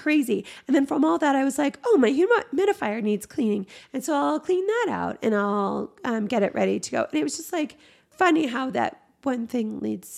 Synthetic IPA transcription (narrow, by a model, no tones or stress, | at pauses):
kʰɹ̥eɪziɨ̃nðɨ̃nfɹʌ̃mɔlˠðɨɾaɪwʌzlaɪkoʊmaɪɦʉməmɛɾɨfaɪə˞nidz̥kʰl̥ĩnɪ̃ŋɨ̃nsoʊaɪlˠkʰl̥ĩnðəɾa̰ʊtɨ̰̃ñaɪlˠʌ̃mɡɛɾɨʔ̚ɹʔɛ̰ɾḭɾɨɡoʊʔɨ̃nɨt̚wʌzd͡ʒʌst̚ˡlaɪk | fʌniɦaʊðɨ̰t̚ | wʌ̃nθɪ̃ŋlḭdz̥